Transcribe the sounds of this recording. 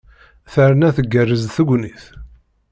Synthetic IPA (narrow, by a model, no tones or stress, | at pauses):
θəɾnæθəɡːərːəzθəɡʷniθ